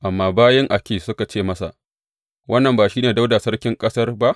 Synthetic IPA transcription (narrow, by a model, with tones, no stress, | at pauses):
ʔa˨mːaː˦baː˦jɛ˦ŋʔa˨kʲeː˨sʊ˦ka˨t͡ʃeː˦˨mɐ˦sa̰˨ʔ | wʔɐ˦nːɐ˨mbaː˨ʃiː˦neː˨da˦wda˨sɐ˦rkʲɪ˦ŋkʼɐ˦sɐ˦rba˦ʔ